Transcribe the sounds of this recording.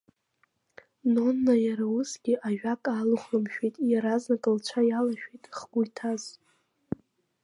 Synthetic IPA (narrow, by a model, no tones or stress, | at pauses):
nonːajaɾausɡʲɪʔaʒᶣakʼaluχəmʃᶣejtʼjaɾaznakʼɨlt͡ʃʷʰajalaʃᶣejtʼχɡ̥ʷujtʰaz̥